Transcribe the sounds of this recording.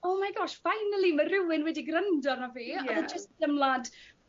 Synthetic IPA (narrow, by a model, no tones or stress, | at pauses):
oːmajɡɔʃvajnəlˠimərɪwɪnwɛdiɡrəndɔrnɔviːɔðəd͡ʒəstd̥əmlˠad